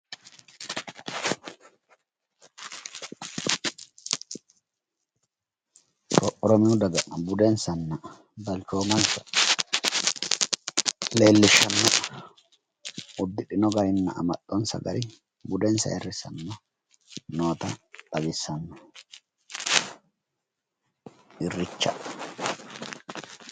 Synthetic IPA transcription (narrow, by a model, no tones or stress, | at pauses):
tɔʔʼːɔɾɔmɪʊd̪ɐɡɐbʊd̪ɛnsɐnːɐ | bɐlt͡ʃoːmɐnsɐ | le̞ːlːɪʃːɐnːɐ | ʊd̪ːɪɗɪnɔɡɐɾɪnːɐʔɐ̰mɐtʼːɔnsɐ̰ɡɐ̰ɾɪ | bʊd̪ɛnsɐ̰ɛrːɪsɐ̰nːɔ | noːt̪ɐt̪ʼɐbɪsːɐnːɔ | ɪrːɪt͡ʃːɐ̰